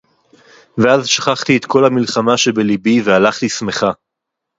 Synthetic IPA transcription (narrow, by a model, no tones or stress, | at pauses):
veazʃḁχaχt̪iet̪kʰo̞lhamilχamaʃebelibivealaχt̪isme̞χa